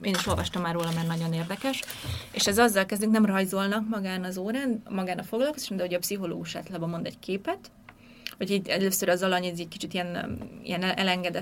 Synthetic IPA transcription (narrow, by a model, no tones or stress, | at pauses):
eːniʃo̞lvɒʃt̪ɒmːaːrːoːlɒmɛrnɒɟo̞neːrd̪ɛkɛʃḛːʃɛzɒzːɒlkɛzd̪yŋknɛmrɒjzo̞lnɒkmɒɡaːnɒzoːɾaːnmɒɡaːnɒfoɡlɒlkozaːʃɔmd̪ɛɦo̞ɟɒpsiɦo̞lo̰ːɡuʃa̰ːt̪laːbɒmo̞nd̪ɛɟckʰeːpɛt̪ | oɟiːdɛløːsøɾɒzɒlɒɲɛzɛc̚ki̥t͡ʃit̪ijɛnḭjɛnɛɛlɛŋɡɛd̪ɛ